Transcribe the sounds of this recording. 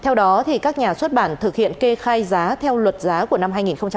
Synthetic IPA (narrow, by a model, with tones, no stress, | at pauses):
t̪ʰɛ˧wɗɔ˨˦t̪ʰi˨˩kaː˦˥k̚ɲaː˨˩swə˦˥t̚ɓaː˧˩nt̪ʰɨ˨˩k̚hḭ˧˨ənke˧xaː˧jzaː˨˦t̪ʰɛ˧wlwə˨˩t̚zaː˨˦ku˧˩əna˧mɦaː˧jŋi˨˩nxə˧wŋ͡mt͡ɕa˧